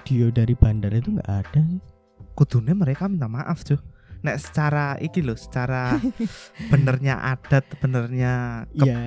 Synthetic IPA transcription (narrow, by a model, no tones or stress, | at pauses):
d̥iodaɾib̥andaɾit̪uŋɡa̰ʔad̥a | kud̪̥ṳneməɾekamint̪amaʔafd̥d͡ʒ̥ʊhnɛʔsə̥t͡ʃaɾaḭkilʊsə̥t͡ʃaɾa | b̥ə̤nərɲaʔa̰d̥a̤t̪̚b̥ənərɲakəa